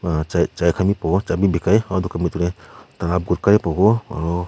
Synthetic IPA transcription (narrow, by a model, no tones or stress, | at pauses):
t͡ʃat͡ʃajkʰamipɔɡɔt͡ʃabibikajaɔd̪ɔkamit̪̚uɾɛt̪alap̚ɡuɾkaɾɛpɔɡɔa̰ɾɔ